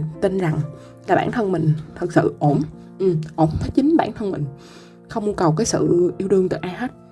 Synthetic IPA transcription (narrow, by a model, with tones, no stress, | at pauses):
t̪i˧nza˨˩ŋ | laː˨˩ɓaː˧˩nt̪ʰə˧nmï˨˩ŋ̟t̪ʰɨ˨˩k̚sɨ̰˧˨ʔo˧˩nʔɨ˨˩ʔo˧˩mfʰaː˨˦jt͡ɕï˨˦ŋɓaː˧˩˨nt̪ʰə˧nmï˨˩ŋ̟ | xə˧wŋ͡mmu˧əkə˨˩wk̬aː˨˦jsɨ̰˧˨ʔi˧əwtɨ˧ŋt̪ɨ̰˧˨ʔaː˧ha˦˥t̚